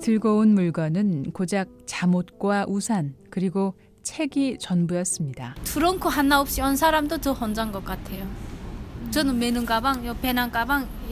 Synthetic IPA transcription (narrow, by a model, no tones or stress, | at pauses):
tɯɭɡʌunmuɭɡʌnɯnkod͡ʑak̚t͡ɕamot̚k͈waʔusʰankɯɾiɡo | t͡ɕʰe̞ɡit͡ɕʌnbujʌs͈ɯmɲidatuɾʌŋkʰoɦanːaop̚ɕ͈iʌnsʰaɾamdot͡ɕʌhʌnd͡ʑaŋɡʌk͈atʰe̞jo | t͡ɕʌnɯnmenɯŋɡabaŋjopenank͈abaŋ